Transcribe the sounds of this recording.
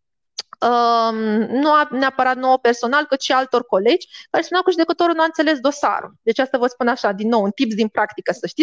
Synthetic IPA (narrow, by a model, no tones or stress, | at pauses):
əmnuaneapəɾat̪̚noope̞rso̞nalkɨt̪ʃialt̪o̞rko̞le̞d͡ʒʲkaɾespunakuʒud̪ekət̪o̞ɾulnuant̪sele̞s̬d̪o̞sa̰ɾṵld̪e̞t͡ʃast̪avəspunaʃad̪inːo̞wunt̪ipsd̪inpɾakt̪ikəsəʃt̪isʲ